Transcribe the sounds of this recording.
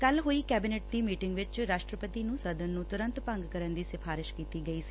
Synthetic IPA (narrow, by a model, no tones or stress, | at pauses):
kɐlɦoːiːkɛːbɪneːʈd̪iːmiːʈɪ̃ŋɡʋɪt͡ʃɾaːʃʈɾəpət̪inũːsɐd̪ənːũːt̪ʊɾə̃nt̪pɐ̃ŋɡkəɾənd̪iːsɪfʰaːɾɪʃkiːt̪iːɡɐiːsi̥